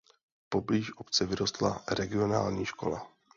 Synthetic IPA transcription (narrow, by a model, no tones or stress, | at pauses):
pobliːʃʔopt͡sɛvɪɾo̞st̪laɾɛɡɪo̞na̰ːlɲiːʃko̞̰la̰